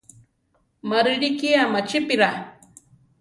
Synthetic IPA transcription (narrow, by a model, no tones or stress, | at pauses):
maɾɪɾikiamat͡ʃɪpiɾa